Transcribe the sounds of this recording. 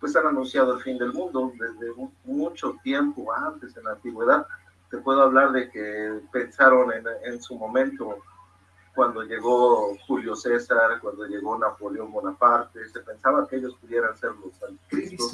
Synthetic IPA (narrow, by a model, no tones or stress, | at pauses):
pwe̞s̬ananũnsjað̞oelfind̪e̞lmũnd̪o̞ðe̞zðe̞ | mut͡ʃo̞t̪je̞mpoant̪e̞se̞nant̪iɣwe̞ðað | t̪e̞pwe̞ð̞oaβlaɾðe̞kepe̞nsaɾo̞nenensumõ̞mẽnt̪o̞ | kwand̪o̞ʝe̞ɣo̞xuljo̞sesɾaɾkwand̪o̞ʝe̞ɣo̞napoleo̞mbonapaɾt̪e̞se̞pe̞nsaβakeeʝo̞spuðjeɾanse̞ɾlosant̪i̥kɾist̪o̞s